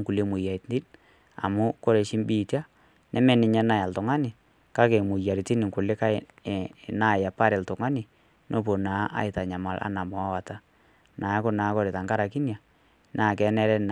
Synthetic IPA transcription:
ŋku˨le˦mʊ˨ja˨i˨tndi˦n | a̰˨mʊ˦kɔ˦ɾe˨ʃɪ˦mbi˦˨tja˦ | nʔɛ˦mɛ˦nɪ˨ɲɛ˦na˦ja˨ltʊ˨ŋa˦nɪ˨ | ka˦ke˨mʊ˨ja˨ɾi˨ti˦nɪ˨ŋkʊ˨lɪ˦ka˦ɪ˨ | na˦˨ja˨pa˦ɾɛ˨ltʊ˨ŋa˦nɪ˨ | nʔo˦p̬o˨na˨˦ʔa̰˦ɪ˨ta˨ɲa˨ma˨lʔa̰˦na˨mɔ˨a˦wa˨ta˨ | naː˨˦kʊ˦na˨˦kɔ˦ɾe˨ta˨ŋka˦ɾa˨ki˦nja˨ | nʔaː˨kɛ˨˦nɛ˦ɾɛ˦n˨

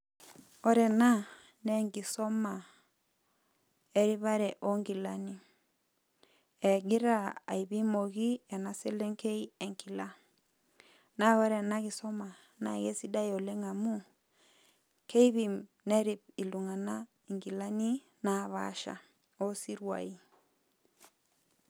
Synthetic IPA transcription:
ɔ˦ɾɛ˨na˦ | ne˦ŋɡi˨sɔ˦ma˨ | e˦ɾi˦βa˦ɾɛ˨ʔo˦ŋɡi˨la˦ni˦ | e˨ɡi˦ɾa˦a̰˨i˨βi˦mo˨ɣi˦e˨na˦se˦le˦ŋke˦i˦e˨ŋki˨la˦ | na˦βa˦ɾɛ˨na˦ɣi˨sɔ˦ma˨ | na̰˨ɣe˦si˦da˦jo˨le˦ŋa˨mu˦ | ke˦i˦βi˦˨m | ne˦ɾi˨p̚i˨lu˨ŋa˨na˦ | i˨ŋɡi˨la˦ni˦ | na˨βa̰˦ʃa̰˨ | o˦si˦ɾwa̰˨i˦

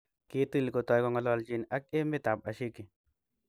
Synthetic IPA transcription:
ki˨˦ti˦lko˨t̪ɔ˨jkɔ˨ŋa˨lɔ˨˧˨ld͡ʒi˨na˦k̚e˦me˦t̪a˨p̚a˨ʃi˦kːi˨

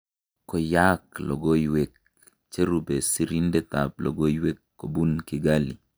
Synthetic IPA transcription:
kɔ˨jaklɔ̰˨ɡo˦jwe˨k̚ | t͡ʃe˦ɾube˨si˦ɾi˦nde˦t̪ab̚lɔ̰˨ɡo˦jwe˦kːo˨bu˦nkɪɡalḭ˨

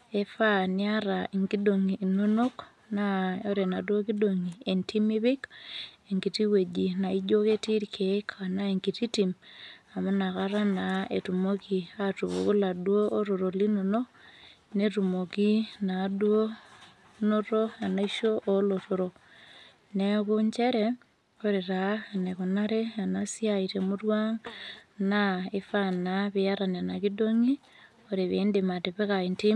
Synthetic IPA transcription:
e˨fa˦nɪ˦a˦ɾa˨i˨ŋɡi˦do˨ŋi˨no˦no˦k | na˦o˦ɾe˨na˨dwo˦ki˦do˨ŋi˨e˨ntʰi˦mi˦bɪ˦ke˨ŋɡi˨ti˦we˨d͡ʒi˨na˨i˦d͡ʒo˦ke˦ti˦ɾkʰe˨˦kʰa˨na˦e˨ŋɡi˨ti˦ti˨ma˨mʊ˦na˨ka˦ɾa˦na˨e˨tu˨mo˦ki˨a˦tu˨βo̰˨ku˦la˨dwo˦ʔo˦ɾo˨ɾo˨li˦no˨no˦ | netumoki˦nadwo˦ | noɾoa˨naiʃoʔoloɾoɾo | nekuɲt͡ʃeɾe | oɾeɾaaneku˨naɾeanasjaiɾemurwaŋnaefanaβiaɾane˨nakidoŋi | oɾiβiːndemateβe˦kainti

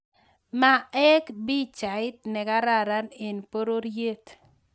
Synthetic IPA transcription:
ma˨ɛ˦kbi˦t͡ʃa˨ɪ˦t̪̚nɛ˨ka˦ɾa˦˨ɾa˦ne˨npo˦ɾo˦ɾje˦t̪

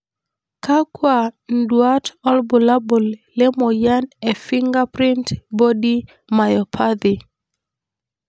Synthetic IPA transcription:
ka˦kwa˨ndwa˦tɔ˦lbu˨la˦bo˨lle˦mɔ˨ja˦ne˨fɪ˦ŋɡa˦pɾɪ˦ntbo˦di˦ | ma˨jɔ˨pʰa˦d̪i˨

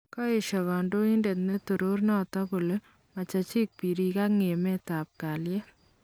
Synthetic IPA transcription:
kɔ˦e˨ʃɔkɔ˨ndo˦i˦nde˨tne˦tu˨ɾo˦rnɔtɔ˦ku˨le | mɐ˨t͡ʃɐt͡ʃi˦k̚pi˨ɾi˨ka˦k̚ŋe˨me˦ta˨p̚ka˨ljɛ˦

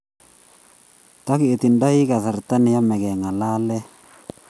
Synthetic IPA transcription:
t̪a˦kɪ˨e˨t̪i˨nda˦i˦ka˨θa˨ɾt̪a˦nɪ˨ja˦mɛ˨ɡɛ˨ŋa˨la˦lɛ˦

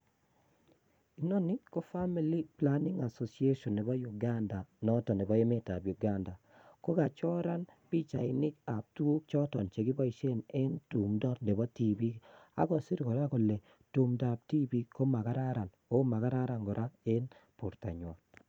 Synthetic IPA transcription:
i˨nɔ˦nɪ˦kɔ˦fa˦mi˦li˦pla˦ni˦ŋa˨so˨sie˦ʃɔ˨nːe˨bɔ˦ju˨ɡa˦nda˨nɔ˦tɔ˨ne˨bɔ˦e˦me˦ta˨bju˨ɡa˦nda˨ | ko˦ɡa˨t͡ʃɔ˦ɾa˦nbi˦t͡ʃa˨ɪ˨nɪ˦ka˨p̚tu˦o˦t͡ʃɔ˦tɔ˨nt͡ʃe˨ɡɪ˦bɔ˦i˨ʃe˦ne˦ntu˨mdɔ˦tne˨bɔ˦ti˦bi˦a̰˦ɡɔ˨si˦ɾkɔ˨ɾa˦kɔ˨le˨ | tu˨mda˨p̚ti˦bi˦ko˦ma˨ɡa˦ɾa˦ɾa˨n | o˦ma˨ɡa˦ɾa˦ɾa˨ŋɡɔ˨ɾʔa˦e˦npʊ˨ɾta˨ɲwa˨

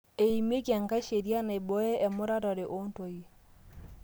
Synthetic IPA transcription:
e˨i˨me˦kja˨ŋka˦ʃe˨ɾja˦na˨e˨bɔ˦ɛ˦ʔɛ˨mo˦ɾa˦ɾɔ˨ɾe˨ʔo˦nto˨i˨

